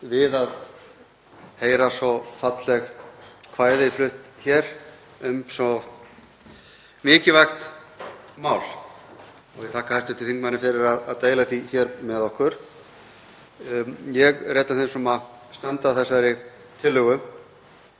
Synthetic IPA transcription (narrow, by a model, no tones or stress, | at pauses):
vɪðað | heːjɾasɔfat̪lɛɣkʰvaːjðɪflʏht̪çɛɾ̥ | ʏmsɔ | mɪːcɪvaxt̪ | maːwl̥ | ɔɣvɪðt̪ʰaːkahajst̪ʏt̪ʰɪlθiŋkmanːɪfɪɾɪɾaðaðt̪eːjlaθiçɛɾmɛðɔhkʏɾ̥ | jɛɣreːt̪anθensɔma | st̪ɛnt̪aθɛsaɾɪ | t̪ʰɪlːʏɣʏ